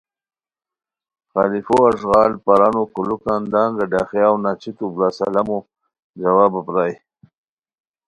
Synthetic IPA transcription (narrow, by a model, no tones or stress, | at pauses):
xa̰lifoaʂɣɑːlpaɾanokʊlukand̪ɑːŋɡaɖaxjawnat͡ʃit̪ubɾaːsa̰lamu | d͡ʒawaːbapɾaːj